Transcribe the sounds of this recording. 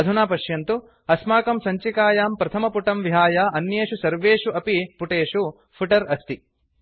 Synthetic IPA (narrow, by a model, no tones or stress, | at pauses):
ɐd̪ʱunaːpɐʃjɐnt̪u | ɐsmaːkɐmsɐɲt͡ʃikaːjaːmpɾɐt̪ʰɐmɐpuʈɐmʋiɦaːjaːɐnjeːʂusɐɾʋeːʂuʔɐpipuʈeːʂu | pʰuʈɐɾɐst̪i